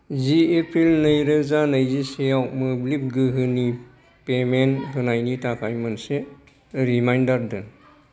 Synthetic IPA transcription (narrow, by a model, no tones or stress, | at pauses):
ziepʰɾilnɯjɾɯzanɯjzisejawmɯblip̚ɡɯɦɯni | pemenɦɯnajnitakʰajmɯnse | ɾimajndaɾdɯn